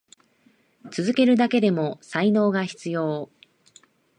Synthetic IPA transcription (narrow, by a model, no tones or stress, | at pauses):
t͡sɨzɨke̞ɾɯ̟d̪ake̞d̪e̞mo̞saino̞ːɡaçi̥t͡sɨjo̞ː